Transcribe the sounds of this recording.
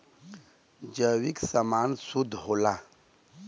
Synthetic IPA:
d͡ʑəwiksamaːnsud̪ɦola

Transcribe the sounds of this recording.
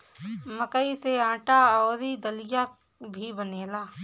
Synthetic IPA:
məkəiseãːʈaoːɾid̪əlija | bʱibəneːlaː

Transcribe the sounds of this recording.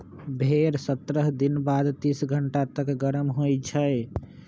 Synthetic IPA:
bʱeɾsət̪ɾəɦd̪inbad̪t̪isɡʱəɳʈat̪əkɡəɾəmɦojt͡ʃʰəe

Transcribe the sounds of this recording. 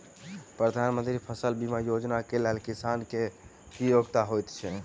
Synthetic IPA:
pɾəd̪ʱanmənt̪ɾipʰəsəlbimajod͡ʒnakelelkisanke | kijoɡt̪aɦojt̪t͡ʃʰɛ

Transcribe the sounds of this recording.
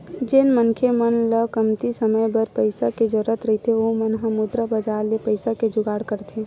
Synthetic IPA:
d͡ʒɪnmənkʰemənləkəmt̪isəməjbəɾpəɪsaked͡ʒoɾət̪ɾɐɦit̪ʰeʋomənɦəmʊd̪ɾəbɐd͡ʒaːɾlepəɪsaked͡ʒʊɡaːɽkəɾt̪ʰẽː

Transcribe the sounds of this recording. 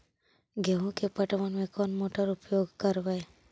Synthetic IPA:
ɡəɦõkepəʈʋənmẽkɔːnmoːʈəɾʊpjoːɡkəɾʋɛː

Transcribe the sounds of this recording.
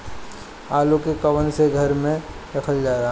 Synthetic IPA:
aːlukekɐwənseɡʱɐɾmẽ | ɾɐkʰəld͡ʒaːɾaɦ

